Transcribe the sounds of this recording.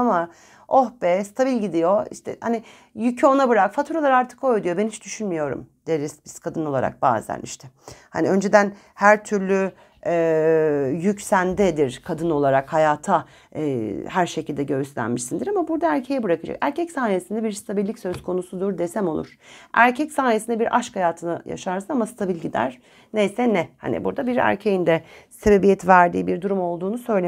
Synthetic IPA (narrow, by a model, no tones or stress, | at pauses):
ama | ohbɛst̪ʰabilʲɟid̪ijo̞ḭʃt̪ʰɛ̰ha̰ni | jycʰɛo̞nabɯɾakfat̪ʰuɾalˠaɾaɾt̪ʰɯ̥kʰo̞jd̪ujo̞bɛnit͡ʃd̪yʃynmijo̞ɾṵmd̪̥eɾisbiskʰad̪ɯnolˠaɾa̰k̚ba̰ːzd̪æ̰nḭʃt̪ʰɛha̰niø̞nd͡ʒe̞d̪æn | hæɾt̪ʰyɾlʲy | ɛːjycsænd̪ɛd̪iɾ̥kʰad̪ɯno̞lˠaɾakhajaːt̪ʰa | hæɾʃe̞cʰilʲd̪ɛɟø̞yslʲæ̰nmiʃsind̪iɾamabuɾd̪aæɾcʰe̞jɛbɯɾakɯd͡ʒa̰kæ̰ɾcʰɛcsaːnijesind̪ɛbiɾst̪ʰabilʲːicʲsø̞skʰo̞nusud̪uɾd̪esɛmo̞lˠṵɾ̥æɾcʰɛcsaːnijesind̪ɛbiɾʔaʃkhajaːt̪ʰɯna̰ja̰ʃaɾsɯnamast̪ʰabilʲɟid̪æ̰ɾ̥ | nejsɛnɛha̰nḭbuɾd̪abiɾæ̰ɾcʰe̞jind̪ɛse̞be̞bijɛt̪væɾd̪ḭːbiɾd̪uɾumo̞lˠd̪uːnusø̞jlʲe